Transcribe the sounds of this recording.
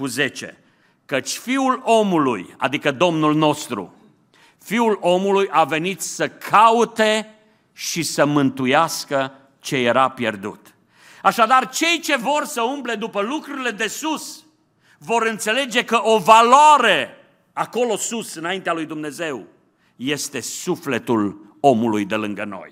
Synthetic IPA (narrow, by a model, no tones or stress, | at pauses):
kuze̞t͡ʃe̞̰ | kət͡ʃʲfiulo̞mulṵja̰d̪ikəd̪o̞mnulno̞st̪ɾṵ | fiulo̞mulujʔave̞nit̪səkʰaut̪e̞ | ʃisəmɨnt̪ujaskə | t͡ʃe̞je̞ɾapje̞̰rd̪ṵt̪ | aʃad̪art͡ʃe̞jt͡ʃe̞vo̞rsəumple̞d̪upəlukɾuɾile̞d̪e̞sus | vo̞ɾɨnt̪se̞le̞d͡ʒe̞kəʔovaloaɾe | ako̞lo̞susɨnaint̪ealujd̪umne̞ze̞w | je̞st̪e̞sufle̞t̪ul | o̞mulujd̪e̞lɨŋɡəno̞̰j